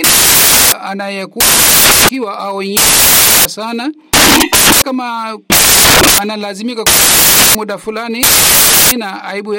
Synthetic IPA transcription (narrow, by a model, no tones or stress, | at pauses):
iaanajɛkukiwaʔaɔɲɛasana | kama | analazimikakmuɗafulaniaminaaiɓuj